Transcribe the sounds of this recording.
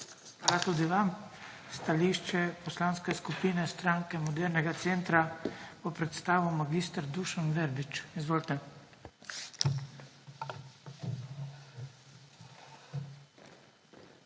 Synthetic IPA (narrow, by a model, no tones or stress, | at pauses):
xʋaːlat̪ud̪iʋam | st̪aliʃt͡ʃɛpɔslaːnskɛskupiːnɛst̪ɾaŋkɛmɔd̪ɛɾnɛɡat̪seːnt̪ɾapɔpɾɛt̪st̪aːʋɔmaɡist̪əɾd̪uʃanʋɛɾbit͡ʃizʋoːlt̪ɛ